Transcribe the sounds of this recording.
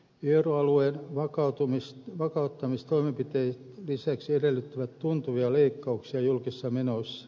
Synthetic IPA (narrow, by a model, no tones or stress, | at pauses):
euroɑlueːnʋɑkɑt̪umisʋɑkɑut̪ːɑmist̪oimempit̪eit̪lisæksiedelːyt̪ːyʋæt̪tunt̪uʋiɑleikːɑuksiɑjulkisːɑmenosːɑ̥